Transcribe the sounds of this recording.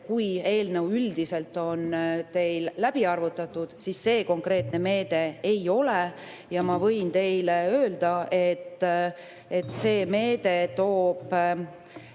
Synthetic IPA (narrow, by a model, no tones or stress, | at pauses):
kuje̞ːlnewyld̪̥ise̞lt̪ːˑo̞nt̪e̞jllæb̥iɑrvut̪ːˑɑt̪ːˑud̪̥sisːe̞ːko̞ŋkɾe̞ːt̪ne̞me̞ːd̪̥e̞ejo̞le | jɑmɑvɤ̞jnt̪e̞jleøːld̪ɑʔe̞t̪ːˑ | e̞t̪ːse̞ːme̞ːd̪̥e̞t̪o̞ːb̥